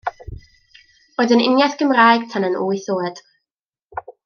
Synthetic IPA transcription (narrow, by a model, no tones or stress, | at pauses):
oːdənɪ̰njaθɡ̥əmrajɡ̥̚tʰanənʔuːɨθoːəd̥